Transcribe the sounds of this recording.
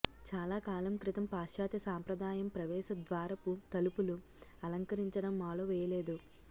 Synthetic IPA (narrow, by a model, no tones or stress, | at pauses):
t͡ʃaːlaːkaːlɐmkɾit̪ɐmpaːʃjaːt̪jɐsaːmpɾɐd̪aːjɐmpɾɐʋɛːʃɐd̪ʋaːɾɐput̪ɐlupulu | ɐlɐŋkɐɾiɲt͡ʃɐɽɐmːaːloːʋɛːjɐlɛːd̪u